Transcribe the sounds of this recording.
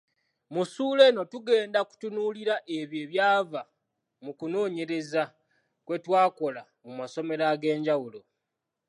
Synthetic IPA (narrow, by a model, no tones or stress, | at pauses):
musuːle̞no̞tuɡe̞ːndaku̥tunuliɾaʔe̞βje̞ːβjaːva | mukuno̞ːɲe̞ɾe̞za | kwe̞twaːko̞la | mumaso̞me̞ɾaɡe̞ːɲɟawulo̞